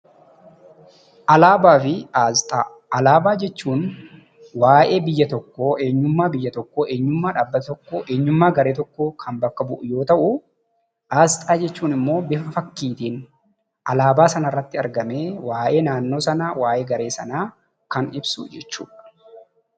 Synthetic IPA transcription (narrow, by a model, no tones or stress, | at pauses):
ʔɐlaːbaːfɪaːzt̪ʼa | ɐlaːbaːd͡ʒɛt͡ʃːuːn | waːʔe̞ːbɪjːɐt̪ɔkːoːʔe̞ːɲːʊmːaːbɪjːɐt̪ɔkːoːʔe̞ːɲːʊmːaːᶑaːbːɐt̪ɔkːoʔe̞ːɲːʊmːaːɡɐɾeːt̪ɔkːoːkʰɐmbɐkːɐbʊʔʊjo̞ːt̪ɐʔʊ | ʔaːzt̪ʼaːd͡ʒɛt͡ʃːuːnɪmːo̞ːbɪfɐfɐkːiːt̪iːn | ʔɐlaːbaːsɐnɐrːɐt̪ːɪɐɾɡɐme̞ːwaːʔe̞ːnaːnːo̞ːsɐnaːwaːʔe̞ːɡɐɾe̞ːsɐnaː | kɐnɪbsʊ̰d͡ʒɛt͡ʃːṵːᶑɐ̥